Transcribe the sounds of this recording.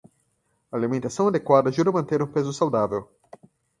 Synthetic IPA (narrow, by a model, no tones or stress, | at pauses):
ɐːlimẽnt̪asɐ̃w̃ad̪ekwad̪ɐʒuɾɐmɐ̃nt̪eɾũpezʊsawd̪avew